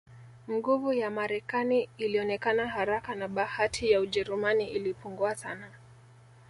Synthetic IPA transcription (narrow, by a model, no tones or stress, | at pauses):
m̩ɡuvujamaɾɛkaniːliɔnɛkanaɦaɾakanaɓahatʰijauʄɛɾumaniʔilipuŋɡuasana